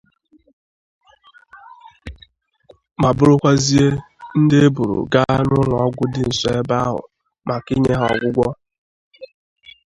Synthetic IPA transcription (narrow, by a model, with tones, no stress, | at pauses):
ma˨bʊ˦ɾʊ˦kʷa˦zi˦e˦ | n̩˦dɪ˦e˦bu˨ɾʊ̰˨ɡa˦nʊ˦lɔ˨ɔ˦ɡʷʊ˦dɪ˨n̩˨sɔ˨e˦ba˦ɦʊ̰˨ | mʔa˨kɪ˦ɲe˦ɦa˨ɔ˨ɡʷʊ˦ɡʷɔ˦